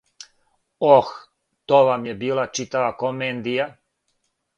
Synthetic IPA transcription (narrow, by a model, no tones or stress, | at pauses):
ox | t̪oʋamjebiːlˠat͡ʃit̪aʋakomend̪ija